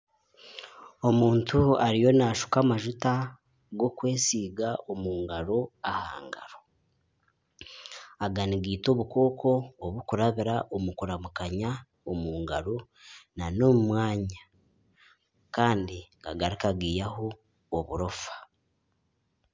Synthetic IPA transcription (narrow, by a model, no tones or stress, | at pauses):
o̞muːntuaɾijo̞naʃu̥kamaʒuta | ɡo̞kwe̞ːsiːɡaʔomuːŋɡaɾo̞aha̰ːŋɡa̰ɾo | aɡaniɡiːtoβuko̞ːkʰo̞ːβukuɾaβiɾaʔomukuɾamukaɲa | omuːŋɡaɾo̞ | nano̞mumwaːɲa | kaːndikaɡaɾikaɡiːjaho̞ː | βṵɾofḁ